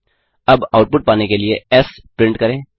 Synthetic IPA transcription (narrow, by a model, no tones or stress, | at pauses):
əbaʊʈ̚pʊʈ̚paːnekelieɛs | pɾɪ̃ɳʈkɐɾẽː